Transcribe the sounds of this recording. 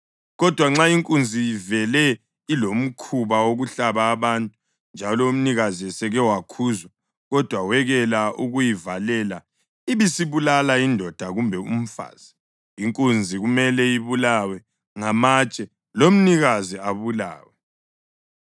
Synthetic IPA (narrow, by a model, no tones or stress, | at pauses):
ɣɔd̥ʱwaŋ͡ǁaiŋkʼund͡zʱiivɛlɛ | ilom̩kʰuβawoɣuɬaβaːβantʼu | nd͡ʒʱalɔum̩niɣaziɛsɛɣɛwakʰuzwa | ɣɔd̥ʱwawɛɣɛlaʔuɣujivalɛla | iβisiβulalaindʱɔd̥ʱaɣumbʱɛum̩fa̰ːz̥a | iŋkʼund͡zʱiɣumɛlɛjiβulawɛ | ŋamat͡ʃʼɛ | lom̩niɣaziaβula̰ːwɛ